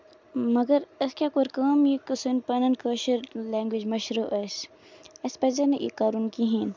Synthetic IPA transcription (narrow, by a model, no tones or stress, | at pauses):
mɐɡɐɾɐskʲakoɾkəːmjikɨsunpɐnɐnkəːʃiɾleːŋɡwid͡ʒmɐʃɾuːʔɐs | ɐspɐzɐnɨʔḭkaːɾunkiɦiːn